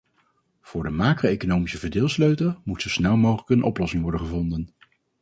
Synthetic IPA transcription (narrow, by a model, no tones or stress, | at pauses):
v̥ʊːɹdəmaːkroejkonowmisəvəɹdɪːlˠsløɥtəmutsowsnɛlˠmowχələkənʔɔ̰plɔsɪŋʋɔɹdənχəvɔndən